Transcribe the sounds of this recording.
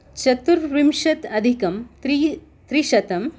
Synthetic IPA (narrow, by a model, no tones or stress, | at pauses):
t͡ʃɐt̪uɾʋimʃɐt̪ɐd̪ʱikɐmt̪ɾi | t̪ɾiʃɐt̪ɐm